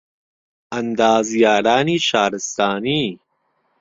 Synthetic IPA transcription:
ɐnd̪aːzjaːɾaːniːʃaːɾɪst̪aːniː

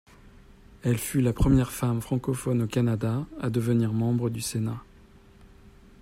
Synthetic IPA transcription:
ɛlfylapχəmjɛʁfamfχɑ̃kɔfɔnokanad̪aad̪əvəniʁmɑ̃bʁəd̪ysena

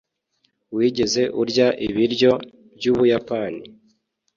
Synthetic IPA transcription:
wiːɟe̞ze̞ʔuɾɟaʔiβiɾjo̞ | bjuːβujapani

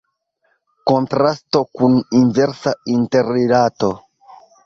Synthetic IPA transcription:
ko̞ntɾasto̞kuninve̞ɾsainte̞ɾiɾato̞

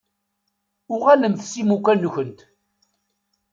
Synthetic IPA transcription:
ʊʁæləmθsimukʷːænːçənt̪

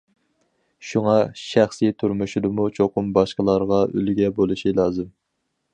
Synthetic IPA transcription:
ʃuŋɑʃæχsit̪ʰyɾmuʃid̪ɨmut͡ʃʰoqʊmbɑʃqəlˠɑɾʁɑylɡʲɛbolˠuʃilˠɑːzɨm

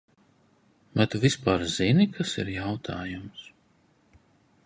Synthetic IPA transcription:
mat̪uvispaːɾzinikʰasḭɾjawt̪ʰaːjums

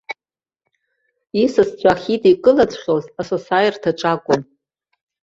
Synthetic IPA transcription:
isɨst͡sʷʼʰaχʲitʼikʼɨlat͡sʷʰʼχʲozasosajrtʰaʈ͡ʂʼakʷʼʊn

